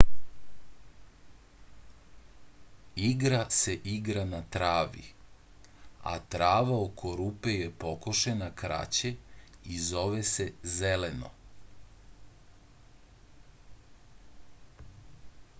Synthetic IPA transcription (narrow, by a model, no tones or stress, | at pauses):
iɡɾase̞ʔiɡɾanat̪ɾaːʋḭ | a̰t̪ɾaːʋaokʰo̞ɾupejepo̞koʃenakɾa̰t͡ɕeizo̞ʋesezeleno̞̰